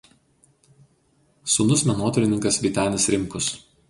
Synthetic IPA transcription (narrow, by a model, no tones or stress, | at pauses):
suːnʊsmʲɛnuɔt̪ɔɾʲɪnʲɪŋkɐsʋʲit̪ʲæːnʲɪsɾʲɪŋˑkʊs